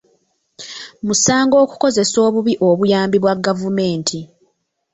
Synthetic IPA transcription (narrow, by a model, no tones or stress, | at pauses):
musaːŋɡo̞ːku̥ko̞ze̞so̞ːβuβiʔo̞βujaːmbiβwaɡːavume̞ːntʰi